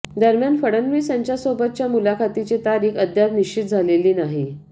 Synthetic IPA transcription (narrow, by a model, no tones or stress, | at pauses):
d̪əɾmjanfəɽənʋiːsaɲt͡ɕjasobət̪̚t͡ɕjamulakʰat̪it͡ɕet̪aɾiːkəd̪ʱjat̪niʂt͡ɕit̪̚d͡zʱaleliːnaɦi